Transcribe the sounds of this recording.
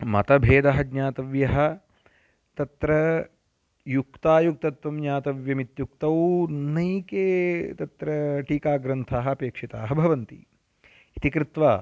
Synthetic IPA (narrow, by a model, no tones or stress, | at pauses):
mɐ̰t̪ɐbʱeːd̪ɐɦɐɡɲaːt̪ɐʋjɐɦɐ̆ | t̪ɐt̪ɾɐ | jukt̪aːjuk̚t̪ɐt̪ʋɐmɲaːt̪ɐʋjɐmit̪juk̚t̪ɐwnɐjkeːt̪ɐt̪ɾɐʈiːkaːɡɾɐnt̪ʰaːɦɐɐpeːkʂit̪aːɦɐbʱɐʋɐnt̪ḭ | it̪ikɾɪt̪ʋaː